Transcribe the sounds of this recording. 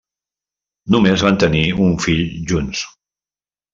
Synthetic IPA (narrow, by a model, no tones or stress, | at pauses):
numezβant̪əniuɱfiʎʒuns